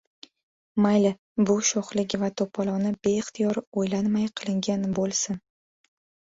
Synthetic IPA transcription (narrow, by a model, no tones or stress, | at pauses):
majlɪ | bʊʃoχlɪɡʲvat̪ʰopʰɒlˠɒnɪbe̞ɪχt̪ʰɪjɒɾojlanmajqʰɨlˠɪŋɡʲanbolˠsɪn